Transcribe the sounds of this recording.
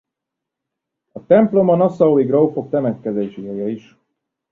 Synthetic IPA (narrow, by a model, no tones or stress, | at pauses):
ɒt̪ɛmplo̞mɒnɒsɒoiɡrowfo̞k̚t̪ɛmɛt̪kɛzeːʃiɛjɛiʃ